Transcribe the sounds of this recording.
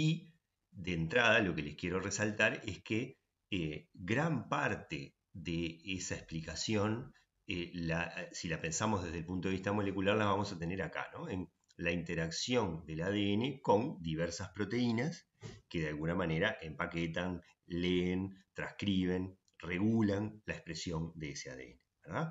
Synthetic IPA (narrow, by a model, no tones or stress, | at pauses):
i | ðent̪ɾaðalo̞ke̞leskje̞ɾoresalt̪aɾe̞ske | eɣɾampaɾt̪ḛ | ðeesaehplikasjo̞n | elasilape̞nsamo̞zðe̞ðelpunt̪oiht̪amo̞le̞kulaɾlaβamosat̪e̞ne̞ɾaka̰no̞en | laint̪e̞ɾaksjo̞nd̪e̞lað̞eene̞ko̞nd̪iβeɾsaspɾo̞t̪e̞inas | ke̞ðealɣunamane̞ɾaʔe̞mpaket̪̬an | leːnt̪ɾaskɾiβ̞e̞n | re̞ɣulanlaekpɾe̞sjo̞nd̪eesea̰ðḛḛne̞βeɾða